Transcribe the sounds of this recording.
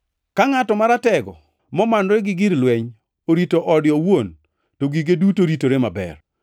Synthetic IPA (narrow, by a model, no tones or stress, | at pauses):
kaŋatɔmaɾatɛɡɔ̰ | mɔmanɾeɡɪɡiɾlwɛɲ | oɾitoʔɔdjɔwon | toɡiɡedutoɾitoɾemabɛ̰r